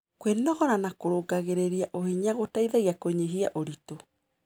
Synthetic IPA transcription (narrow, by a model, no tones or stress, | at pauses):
kwennɔɣɔɾanakoɾoɡaɣeɾeɾiaʔohiɲaɣotaiðaɣiakoɲeɦia̰ʔoɾito